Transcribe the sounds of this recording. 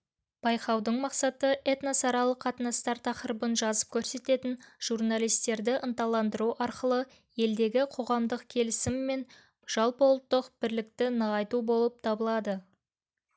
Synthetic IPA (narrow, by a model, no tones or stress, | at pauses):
b̥ɑjqɑwd̪əɴmɑqsɑt̪əʔet̪nasɑɾɑlˠəqʰːɑt̪ənɑst̪ɑɾt̪ʰɑqəɾəbənʒɑzə̥p̚kʲʰɵɾse̞t̪e̞t̪ɪnʒ̥urnalˠijst̪e̞ɾd̪ɪʔənt̪ɑlˠɑnd̪əɾuʔɑɾqəlˠə | je̞ld̪e̞ɡʲɪqʰo̞ʁɑmd̪əqkʲʰe̞lɪsɪmːe̞n | ʒ̥ɑlˠpo̞lˠt̪ːəqbɪɾlɪk̚t̪ɪnəʁɑjt̪ubo̞lˠəp̚t̪ʰɑbəlˠɑd̪ə